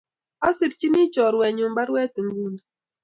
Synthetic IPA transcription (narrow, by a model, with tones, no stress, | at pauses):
a˦si˨ɾt͡ʃi˦ni˦t͡ʃɔ˨ɾwɛ˨ɲʊ˨m˦ba˦ɾwɛ˦tu˨ŋ˦ɡu˦na˨